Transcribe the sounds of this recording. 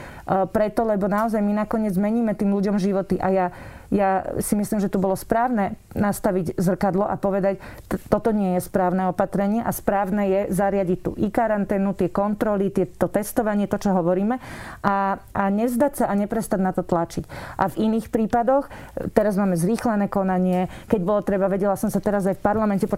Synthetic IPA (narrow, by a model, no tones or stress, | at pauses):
pɾɛt̪ɔlɛbɔnaɔzajminakɔɲɪɛd͡zmɛɲiːmɛt̪iːmluɟɔmʒiʋɔt̪iʔajajasimislimʒɛt̪ubɔlɔspɾaːʊnɛnast̪aʋiɟzr̩kad̪lɔʔapɔʋɛd̪ac̪t̪ɔt̪ɔɲɪɛjɛspɾaːʊnɛɔpat̪ɾɛɲɪɛʔaspɾaːʊnɛjɛzaɾɪaɟic̚t̪ṵːʔikaɾant̪ɛːnut̪ɪɛkɔnt̪ɾɔlit̪ɪɛt̪ɔt̪ɛst̪ɔʋaɲɪɛt̪ɔt͡ʃɔɦɔʋɔɾiːmɛaaɲɛzd̪acsaʔaɲɛpɾɛst̪aɟnat̪ɔt̪lat͡ʃicʔa̰viniːxpɾiːpad̪ɔx | t̪ɛɾazmaːmɛzɾiːxlɛnɛːkɔnaɲɪɛkɛɟbɔlɔt̪ɾɛbaʋɛɟɛlasɔmsat̪ɛɾazafpaɾlamɛncɛpɔ